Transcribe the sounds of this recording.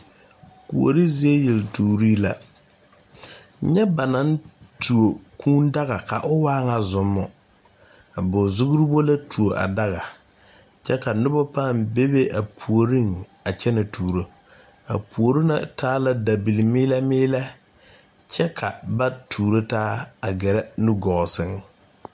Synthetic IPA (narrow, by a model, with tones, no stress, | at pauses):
kṵ˨o̰˨ɾi˦ze˦e˦je˨ltuː˨ɾi˦la˦ | ɲɛ˦ba˨na˨˦n˦tʰu˨o˨kuː˦n˦da˦ɣa˨ka̰˨ʔʊ˦waː˦ŋa˨zʊ˨mːɔ˨ | a˨bʊ˨zʊ˦ɣʊ˦ɾi˦bo˦la˦tu˨o˨ʔa̰˨da˦ɣa˨ | t͡ʃɛ˦ka˨nʊ˦bɔ˦pa˦˨mbe˦be˦ʔa˨pʰu˨o˨ɾi˦ŋa˨t͡ʃɛ˦nɪ˨tʰuː˨ɾo˦ | a̰˨pu˨o˨ɾi˦na̰˨tʰaː˦la˦da˨bi˨li˨mɪː˦la˦mɪː˦la˦ | t͡ʃɛ˦kʰa˨ba˦tʰuː˨ɾo˦taː˦a˨ɡɛ˨ɾɛ˦nu˦ɡɔ˨ɣɔ˨sɪ˦ŋ